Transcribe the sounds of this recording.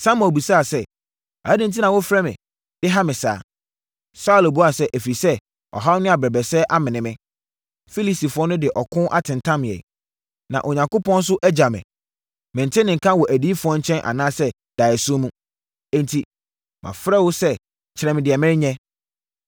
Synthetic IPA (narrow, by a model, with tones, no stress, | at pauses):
sã˦m˦ɔ˨bu˨saː˦˨sɛ˦ | a̰˨a˦dɪ̃˦n˦t̬ʰi˦nã˨wʊ˦fɾɛ˦mɪ̰̃˨ | d̥ɪ˦ɦa˦mɪ̃˨sa̰ː˨˦ | sa˦ʊ˨læ˨bu˦a˨sɛ˦ʔæ˨fɾi˨sɛ˦ | ɔ̰˨ɦa˦wnʊ̃˦a˨bɾɛ˨bɛ˨sɛː˦ʔa˦mɪ̃˨nɪ̃˨mɪ̃˦ | fi˦li˦si˨fʊ˨˦ɔ˦nʊ̃˦dɪ˨ʔɔ˨kʰʊ̃˦ʔa̰˦tʰɪ̃˨ntʰã˦m˨ɛ̰˨ | nã̰˨ʔo˨ɲã˨ŋko˦pɔ̃˦n˦s̬ʊ˦ʔæ˦d͡ʑa˨mɪ̰̃˨ | mɪ̃˨ntʰɪ˦nɪ̃˨ŋ̩˨kʰã˦wɔ˨ʔæ˨di˦fʊ˨˦ɔ˦ɲ̩˦t͡ɕʰɛ̃˦nʔa̰˨nãː˦sɛ˦ | d̥a˨ɛ˨sʊ˦o˦mũ˦ | ɛ̃˦ntʰi˨ | mʔã̰˨fɾɛ˦wʊ˦sɛ˦ | t͡ɕʰɪ˨ɾɛ̃˨mɪ̃˨dɪ˨ɛ˨mɪ̃˦ɪ˦ɲɛ̃˦